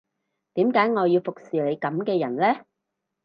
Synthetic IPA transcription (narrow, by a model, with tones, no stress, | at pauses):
t̪iː˨˥mkaː˨˥jŋɔː˨˧jiː˧wfʊ˨k̚siː˨le˨˧jkɐ˨˦mkɛː˧jɐ˨˩nlɛː˥